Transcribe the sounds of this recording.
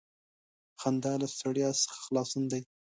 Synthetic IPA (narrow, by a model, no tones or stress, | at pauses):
xand̪ɑlast̪aɽjɑsə̥xḁxlɑsənd̪aj